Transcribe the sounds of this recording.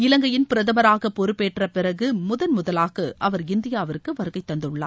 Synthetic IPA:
ɪlɐŋɡɐjɪnpɪɾɐðɐʋɐɾaːɣɐpːɔɾɯpːeːʈːrɐpɪrɐɣɯmʊðɐnmʊðɐlaːɣɐʔɐʋɐɾɪnd̪ɪjaːʋɪɾɯkːɯʋɐɾɯɣɐɪt̪ːɐnd̪ɯɭːa̰ːɾ

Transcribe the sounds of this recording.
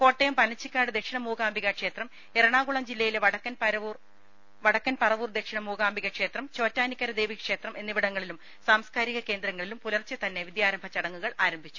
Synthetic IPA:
ko̞ːʈːejɐmpɐnɐt͡ɕːikʲːaːɽɨd̪ekʂinɐmuːɡaːmbʱiɣɐkʂe̞ːt̪rɐm | eɾɐɳaːɡuɭɐmd͡ʑilːɐjileʋɐɽɐkːɐnpɐɾɐʋuːr | ʋɐɽɐkːɐnpɐrɐʋuːrd̪e̞kʂiɳɐmuːɡaːmbʱiɣɐkʂe̞ːt̪rɐmt͡ɕo̞ːtːaːnikʲːɐɾɐd̪eːʋiɐkʂe̞ːt̪rɐmʔe̞nːiʋiɽɐŋːɐɭilum | saːmskaːɾiɣɐke̞ːnd̪ɾɐŋːɐɭilumpulɐrt͡ɕːɐt̪ɐnːe̞ʋid̪jaːɾɐmbʱɐt͡ɕɐɽɐŋːuɣɐɭaːɾɐmbʱit͡ɕːu

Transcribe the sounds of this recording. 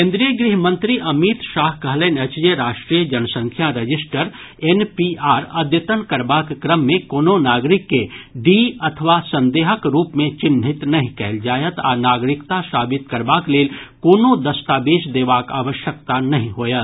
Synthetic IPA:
kẽːnd̪ɾijəɡɾiɦmə̃nt̪ɾiʔɐmiːt̪ʃaːɦkɐɦleːnət͡ʃd͡ʒeɾaːʃʈɾiːəd͡ʒɐnsə̃ŋkʰjaɾəd͡ʒɪsʈəɾ | enpiaːɾɐd̪jət̪ənkɐɾbaːkkɾəmːẽkoːnonaːɡɾɪkːeɖiɐt̪ʰʋasɐ̃nd̪eːɦəkɾuːpmẽt͡ʃɪnɦɪt̪nɐɦĩkɛːld͡ʒaːjət̪a̰ːnaːɡɾɪkt̪asaːbɪt̪kɐɾbaːkleːlkoːnod̪ɐst̪aːbeːʃd̪eːʋaːka̰ːʋəʃjək̚t̪anɐɦĩɦoːjə

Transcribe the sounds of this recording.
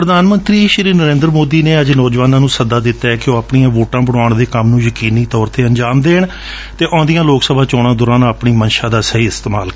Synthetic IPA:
pɾəd̪aːnmənt̪ɾiːʃɾiːnəɾẽːnd̪ɾmoːd̪iːneːəd͡ʒnɔːd͡ʒʋaːnãːnũːsəd̪aːd̪ɪt̪ːaːɛkɪjõːaːpɳiːãːʋoːʈãːbəɽaːɳd̪eːkəmnũːjəkiːniːt̪ɔːɾt̪eːəɲd͡ʒaːmd̪eːɳ | t̪eːʔɔ̃ːnd̪ijãːloːksəbʱaːt͡ʃɔːɽãːd̪ʊːɾaːnəːpɳiːmənʃaːd̪aːsəɦiːɪst̪eːmaːlk

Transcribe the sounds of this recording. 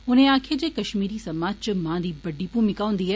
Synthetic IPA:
ʊnẽãːkʰed͡ʑeːkɐʃmiːɾisɐmaːd͡ʑt͡ɕɪmãːd̪iːbɐɖʱipũmɪkaːʋʊ̃nd̪iɦɛ

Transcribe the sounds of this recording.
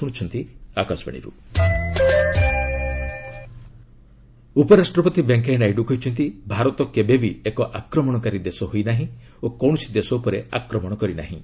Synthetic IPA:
uɽ̃t͡ʃʰɔnt̪iakasba̰ɽ̃ḭɾṵ | upɔɾasʈɾɔpɔt̪ibeŋkenajɖukʰɦojt͡ʃʰɔnt̪ibʱaɾɔt̪ɔkebebiekɔʔakɾɔmɔɽ̃ɔkaɾid̪esɔɦojnaɦĩ | okɔw̃ɔsid̪esɔupɔɾea̰kɾɔmɔɽ̃ɔkɔɾina̰ɦḭ̃

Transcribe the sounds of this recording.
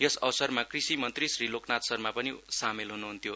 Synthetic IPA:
jʌsʌwsʌrmakrisimʌnt̪risriloknat̪sʌrmapʌnisamelɦunuɦunt̪ʰjo

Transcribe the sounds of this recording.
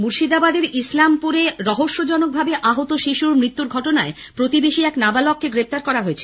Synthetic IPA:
muɾʃid̪abad̪eɾislampuɾeɾɔɦoʃːod͡ʑɔnok̚bʱabeʔaɦot̪oʃiʃuɾmɾit̪ːuɾɡʱɔʈonae | pɾot̪ibeʃiɛknabalɔkʰːeɡɾeft̪aɾkɔɾaɦoet͡ɕʰe̥

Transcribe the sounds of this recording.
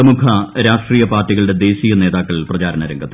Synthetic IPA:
ɐmukʰɐɾaːʂʈriːjɐpaːrtːiɣɐɭuɽe̞d̪e̞ːɕiːjɐne̞ːðaːkːɐɭprɐt͡ɕaːɾɐnɐɾɐŋɡɐt̪ː

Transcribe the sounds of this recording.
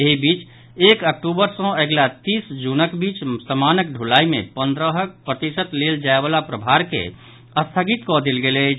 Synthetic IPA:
jeɦibiːt͡ʃ | eːkək̚ʈubəɾsɔ̃eɡlat̪iːsd͡ʒunəkbiːt͡ʃsəmaːnək̚ɖʱulaːimḛ̃pə̃nd̪ɾəɦək̚pɾət̪isət̪leld͡ʒaebaːlapɾəbʱaɾkḛ | əst̪ʰəɡit̪kɔd̪elɡele

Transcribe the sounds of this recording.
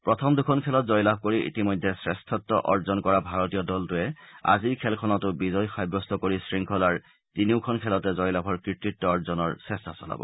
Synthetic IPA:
pɹɔtʰɔmdukʰɔnkʰɛlɔtzɔjlab̚ʱkoɹiʔḭtimɔjdʱɛsɹɛstʰɔtːɔʔɔɹzɔnkɔɹabʱaɹɔtijɔdɔltʊɛa̰ziɹkʰɛlkʰɔnɔtʊbizɔjxajbɹɔstʰɔkoɹisɹiŋkʰɔlaɹ | tiniʊkʰɔnkʰɛlɔtɛzɔjlabʰʱɔɹkɹitɹitːɔɔɹzɔnɔɹsɛstʰasɔ̰la̰bɔ̰

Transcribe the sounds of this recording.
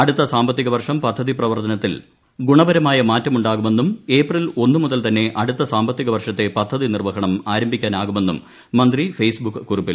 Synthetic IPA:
ɐɽut̪ːɐsaːmbɐt̪ːiɣɐʋɐrʂɐmpɐd̪ʱːɐðiprɐʋɐrt̪ɐnɐt̪ːil | ɡuɳɐbɐɾɐmaːjɐmaːtːɐmuɳɖaːɣume̞nːume̞ːprilo̞nːumuðɐlt̪ɐnːe̞ʔɐɽut̪ːɐsaːmbɐt̪ːiɣɐʋɐrʂɐt̪ːe̞pɐd̪ʱːɐðinirʋɐɦɐɳɐmaːɾɐmbʱikʲːaːnaːɣume̞nːumː | ɐnd̪rifejsbukːɨkːurupːil

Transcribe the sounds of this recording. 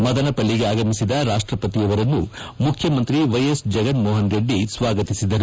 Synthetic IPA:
mɐd̪ɐnɐpɐɭːiɡeaːɡɐmisid̪ɐɾaːʂʈɾɐpɐt̪ijɐʋɐɾɐnːu | mukʰjɐmɐnt̪ɾiʋɐjɐsd͡ʒɐɡɐnmɔːɦɐnɡeɖːisʋaːɡɐt̪isid̪ɐɾu

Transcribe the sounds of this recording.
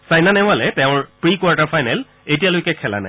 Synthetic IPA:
sajnanɛw̃alɛtɛʊ̃ɹpɹikwaɹtaɹfʰajnɛl | etijalojkɛkʰɛla̰na̰j

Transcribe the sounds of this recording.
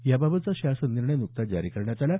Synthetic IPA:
jababət̪t͡saɕasəniɾɳəjnuk̚t̪ad͡zaɾiːkəɾɳjat̪ala

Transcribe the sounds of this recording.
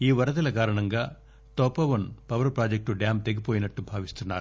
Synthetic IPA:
iːʋɐɾɐt̪ɐlɐkaːɾɐɳɐŋɡaː | t̪ɔːpɐʋɐnpɐʋɐɾpɾaːd͡ʒɐk̚ʈuɖjaːmt̪eɡipoːjinɐʈːubʱaːʋist̪unːaːɾu

